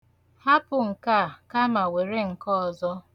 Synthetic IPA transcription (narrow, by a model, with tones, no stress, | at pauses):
ha˦pʊ˨ŋ̩˨ka˦˨ka˦ma˨we˨ɾe˦ŋ̩˨kɔ˦ɔ˨zɔ˦